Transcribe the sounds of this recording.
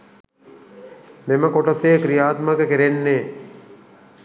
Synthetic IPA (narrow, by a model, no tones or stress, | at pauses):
meməkoʈoseːkɾijaːt̪məkəkiɾenːeː